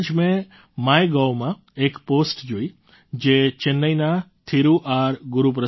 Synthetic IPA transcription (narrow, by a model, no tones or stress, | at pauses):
d͡ʒmẽ | majɡawmã | ekposʈd͡ʒoi | d͡ʒet͡ʃenːəjnat̪ʰiɾuʔaɾɡʊɾupɾə